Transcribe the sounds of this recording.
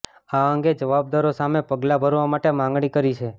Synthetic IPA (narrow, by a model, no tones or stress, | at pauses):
aəŋɡed͡ʒəʋab̚d̪aɾosamepəɡlabʱəɾʋamaʈemãŋɡɽ̃ikəɾit͡ʃʰe